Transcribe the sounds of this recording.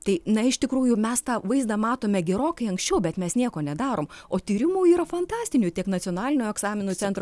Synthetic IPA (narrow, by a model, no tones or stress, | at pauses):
t̪ɐɪnɐɪʃt̪ʲɪkɾuːjʊmʲɛst̪ɑːʋɐɪzd̪ɐmɑːt̪oːmʲɛɡʲɛɾoːkɐɪɐŋksʲt͡ʃʲɛʊbʲɛt̪mʲɛsnʲiɛkoːnʲɛd̪ɑːɾoːmoːt̪ʲiːɾʲɪmuːiːɾɐfɐnt̪ɑːsʲt̪ʲɪnʲut̪ʲiɛknɐt͡s̪ʲiɔnɑːlʲɪnʲoːɛɡsɑːmʲɪnuːt͡s̪ʲɛnt̪ɾ